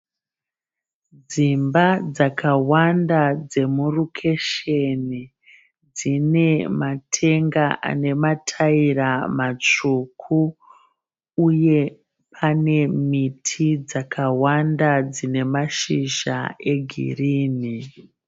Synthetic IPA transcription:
d͡zimbad͡zakʰawandad͡ze̞murukʰe̞ʃe̞ni | d͡zine̞matʰe̞ŋɡaʔa̰ne̞matʰairamat͡ʂukʰu | je̞ | pʰane̞mitʰid͡zakʰawandad͡zine̞maʃiʒa̰e̞ɡʱḭriːni

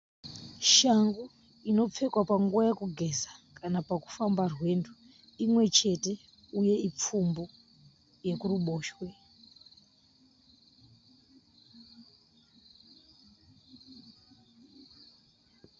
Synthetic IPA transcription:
ʃaŋɡu | ino̞p͡fe̞kwapaŋɡuajekuɡʱe̞zḁkanapaku̥fambarwe̞ːndu | imwe̞t͡ʃe̞te̞ | uje̞ip͡fumbo | je̞kuruɓoːʃwe

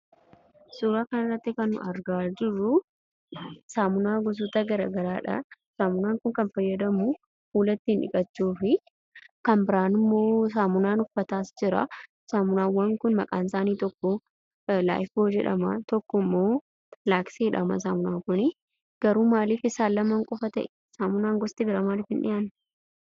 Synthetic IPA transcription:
suːɾaːkɐnɪrːɐt̪ːɪkɐnʊ̰ɐɾɡaːd͡ʒɪrːʊ | saːmʊnaːɡɔs̬ut̪ɐɡɐɾɐɡɐɾaːᶑɐ̰ | saːmʊnaːŋkʊŋkɐnfɐjːɐd̪ɐmʊ | huːlɐt̪ːiːnᶑɪ̰kʼɐt͡ʃːuːfɪ | kɐnbɪɾaːnɪmːoːs̬aːmʊnaːnʊfːɐt̪aːsd͡ʒɪɾɐ̰ | saːmʊnaːwːɐŋkʊnmɐkʼaːnsaːniːt̪ɔkːɔ | la̰ːɪfoːd͡ʒɛ̰ᶑɐ̰mɐt̪ɔkːɔmːoː | laːkseːᶑɐmɐ̰s̬aːmʊnaːkʊnɪ | ɡ̥ɐɾuːmaːliːfɪsaːlːɐmɐŋkʼɔfɐt̪ɐ̰ʔɛ | saːmʊnaːŋɡɔst̪ɪbɪɾaːmaːliːfɪnᶑɪ̰jaːnː

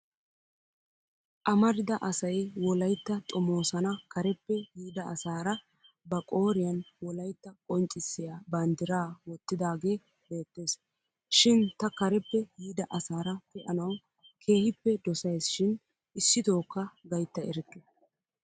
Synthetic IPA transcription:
ʔɐmɐɾɪd̪ɐʔɐsɐjwɔlɐjt̪ːɐt̪ʼɔmo̞ːsɐnɐkɐɾɛpːɛjiːd̪ɐʔɐsaːɾɐ | bɐkʼo̞ːɾɪjɐnwɔlɐjt̪ːɐkʼɔnt͡ʃʼːɪsːɪjaːbɐnd̪ɪɾaːwɔt̪ːɪd̪aːɡe̞ː | be̞ːt̪ːe̞ːs | ʃɪnt̪ɐkɐɾɛpːɛjiːd̪ɐʔɐsaːɾɐkɛʔɐnɐw | kʰe̞ːhɪpːɛd̪ɔsɐjsʃɪn | ɪsːɪt̪o̞ːkːɐɡɐjt̪ːɐɛɾkːɛ

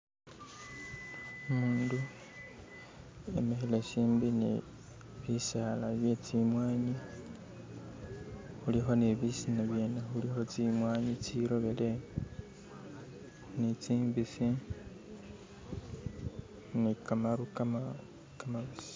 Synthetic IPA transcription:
umuːndu | e̞̰mexeleʃiːmbinḭ | βisaːlaβje̞t͡simwaːɲi | xulixo̞neβisinaβje̞ːnexulixo̞t͡simwaːɲit͡siɾo̞βele | nit͡siːmbisi | nikamaɾuk | kamaβisi̥

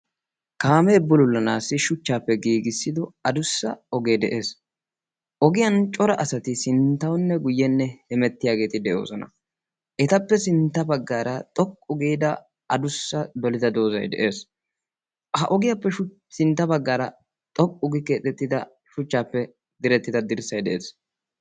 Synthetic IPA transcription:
kaːmɛːbːʊlʊlːɐnaːsːɪʃʊt͡ʃːaːpːɛɡiːɡɪsːɪd̪ɔɐd̪ʊsːɐ̰ɔɡe̞ːd̪ɛʔe̞ːs | ʔɔɡɪjɐnt͡ʃʼɔɾɐʔɐsɐt̪ɪsɪnt̪ːɐwnːɛɡʊjːɛnːɛhɛmɛt̪ːɪjaːɡe̞ːt̪ɪd̪ɛjo̞̰ːsɔnɐ̰ | ʔɛt̪ɐpːɛsɪnt̪ːɐbɐɡːaːɾɐt̪ʼɔkʼːʊɡiːd̪ɐ | ɐd̪ʊsːɐd̪ɔlɪd̪ɐd̪o̞ːzɐ̰jd̪ɛ̰ʔe̞ːs | hɐʔɔɡɪjapːɛʃʊ | sɪnt̪ːɐbɐɡːaːɾɐ | t̪ʼɔkʼːʊɡɪkeːt̪ɛt̪ːɪd̪ɐ | ʃʊt͡ʃːaːpːɛ | d̪ɪɾɛt̪ːɪd̪ɐd̪ɪɾsɐjd̪ɛʔeːs

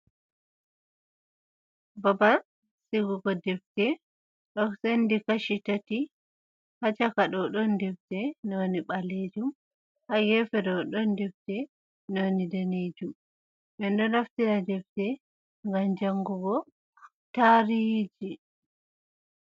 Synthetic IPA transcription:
baba | siɡuɡɔdɛftɛ | ɗɔsendikaʃitati | hat͡ʃakaɗɔɗɔndɛftɛnɔwniɓaled͡ʒum | haɡɛfɛdɔɗɔndɛftɛ | nɔwnidaned͡ʒum | ɓɛndɔnaftiɾadɛftɛ | ŋɡamd͡ʒaŋɡuɡɔ | taɾid͡ʒi

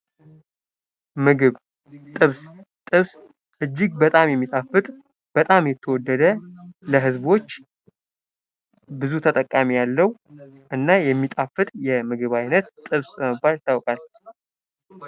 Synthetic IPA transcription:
mɨɡɨβ | t̪ʼɨβst̪ʼɨβs | ʔɨd͡ʒːɪɡ̚bət̪ʼamjɛmːit̪ʼafɨt̪ʼ | b̥ət̪ʼamjɛt̪ʰːəwɔd̪ːəd̪ələɦɨzbo̞t͡ʃː | bɨzut̪ʰət̪ʼəkʼːamijalːəw | ʔɨnːajɛmːit̪ʼafɨt̪ʼjɛmɨɡɨβajnət̪t̪ʼɨβsbəməbːalt̪ʰawkʼal

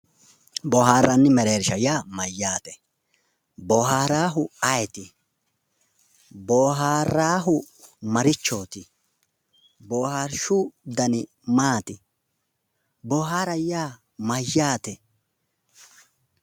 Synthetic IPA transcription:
bɔɦaːɾːɐnːɪmɛɾeːɾʃɐjaːmɐjːaːt̪ɛ | bɔːɦaːɾaːɦʊɐjɛt̪ɪ | boːɦaːɾaːɦʊ | mɐɾɪt͡ʃːo̞ːt̪ɪ | boːhaːɾʃʊd̪ɐnɪ | maːt̪ɪ | bɔːɦaːɾɐjːaː | mɐjːaːt̪ɛ

